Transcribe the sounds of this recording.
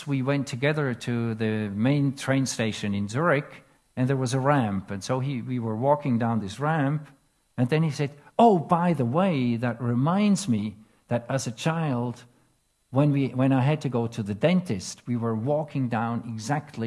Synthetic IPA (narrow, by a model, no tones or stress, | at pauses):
wiwɛ̃ntʰɨɡɛðə˞ɾɨðɨmẽɪ̃ntʰɹ̥ẽɪ̃nsteɪʃɨ̃nɨ̃nzʊɹɪk | ɨ̃nðə˞wʌzəɹæ̃mpɨ̃nsoʊiwiwə˞wɔkɪ̃ŋdãʊ̃nðɪsɹæ̃mp | ɨ̃nðɨ̃nisɛdoʊbaɪðəweɪðɨt̚ɹɪmãɪ̃ndzmi | ðɨɾɨzɨt͡ʃʰaɪlˠd | wɨ̃nwiwɨ̃ñaɪɨd̚tʰɨɡoʊɾɨðɨdɛ̃ntɨst̚wiwə˞wɔkʰɪ̃ŋdãʊ̃nɪɡzæk̚tʰˡli